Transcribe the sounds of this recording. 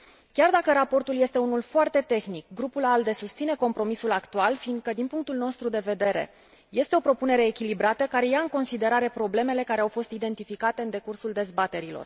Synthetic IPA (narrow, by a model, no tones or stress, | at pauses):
kʲard̪akəɾapo̞rt̪ulje̞st̪e̞unulfoart̪e̞t̪e̞xnik̚ɡɾupulald̪e̞sust̪sine̞ko̞mpɾo̞misulakt̪ualfind̪̚kəd̪inpuŋk̚t̪ulno̞st̪ɾud̪e̞ve̞d̪e̞ɾe̞̰ | je̞st̪e̞o̞pɾo̞pune̞ɾe̞ːkʲilibɾat̪əkaɾe̞jaɨŋko̞nsid̪e̞ɾaɾe̞pɾo̞ble̞me̞le̞kaɾeawfo̞st̪id̪e̞nt̪ifikat̪e̞ɨnd̪e̞kursuld̪e̞zbat̪e̞ɾilo̞̰r